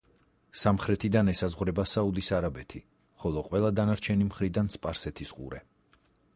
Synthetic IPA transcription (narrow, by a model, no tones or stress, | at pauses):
samχɾɛt̪ʰid̪anɛsazʁwɾɛbasaud̪isaɾabɛt̪ʰi | χɔlˠɔqʼwɛlˠad̪anaɾt͡ʃʰɛnimχɾid̪anspʼaɾsɛt̪ʰisqʼṵɾɛ